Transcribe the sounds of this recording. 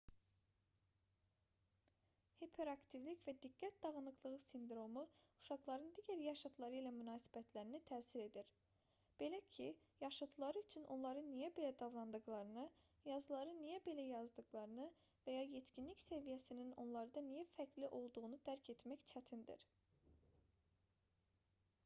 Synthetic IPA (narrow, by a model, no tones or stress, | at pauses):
hepʰe̞ɾɑkt̪ʰivlicvæd̪iɡːæt̪̚d̪ɑʁɯnˠɯqlˠɯʁɯsind̪ɾo̞muuʃɑqlˠɑɾɯnd̪iɟʲæɾjɑʃɑd̪lˠɑɾɯilæmynɑːsi̥bæt̪ʰlæɾinit̪ʰæːsiɾe̞d̪iɾ | b̥e̞læcʰijɑʃɑd̪ɯlˠɑɾɯyt͡ʃʰynʔo̞̰nlˠɑɾɯnːijæbe̞læd̪ɑvɾɑnd̪ɯɣlˠɑɾɯnɯ | jɑzɯlˠɑɾɯnijæbe̞læjɑzd̪ɯqlˠɑɾɯnɯ | væjɑjet̪cinlicse̞vijæsinino̞nlˠɑɾd̪ɑnijæfæcʰliʔo̞lˠd̪uʁunud̪æɾcʰe̞t̪mæct͡ʃʰæt̪ʰind̪ḭɾ